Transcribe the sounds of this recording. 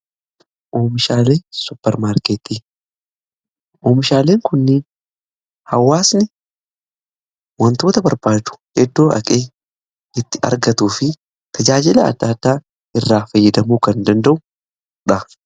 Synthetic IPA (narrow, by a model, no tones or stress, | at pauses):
ʔoːmɪʃaːle̞ːsʊpːɛɾmaːɾkeːt̪i | ʔoːmɪʃaːle̞ːŋkʊnːɪ | hɐwːaːsnɪ | wɐnt̪o̞ːt̪ɐbɐɾbaːd̪ʊ̥hɛd̪ːo̞ːʔɐ̰kʼe̞ː | ɪt̪ːɪɐ̰ɾɡɐt̪uːfɪ | t̪ʰɐd͡ʒaːd͡ʒɪlɐɐ̰d̪ːaːd̪ːaː | ʔɪrːaːfɐjːɐd̪ɐmuːkɐnd̪ɐnd̪ɐʔʊ | ᶑɐ